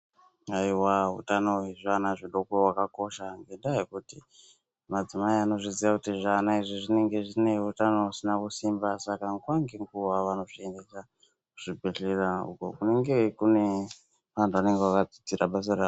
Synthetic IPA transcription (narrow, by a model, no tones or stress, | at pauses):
aiwaɦṵtanoɦeʐanaʐiɗokowakako̞ʃaŋɡe̞ndaekuti | mad͡zimaiano̞ʐiziakutiʐanaiʐiʐine̞ŋɡe̞ʐine̞ɦutanousinakusimbasakaŋɡwaŋɡeŋɡuʋaʋano̞ʐiendeʃa | uʐ̥ibʱeɬeraṵko̰kune̞ŋɡe̞kune̞ | ʋantʰuane̞ŋɡewakad͡zi̥t͡siɾaɓas̬arao